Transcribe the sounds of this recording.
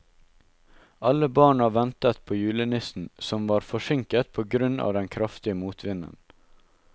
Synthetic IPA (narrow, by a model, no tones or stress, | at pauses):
ɑləbɑːɳɑːʋɛnt̪ət̪pʰoːjʉːlənɪsn̩sɔmʋɑːɾfɔʃɪŋkət̪̚pʰoːɡɾʉnɑ̰ːʋd̪ɛnkʰɾɑft̪ɪəmuːt̪ʰʋɪnə̰n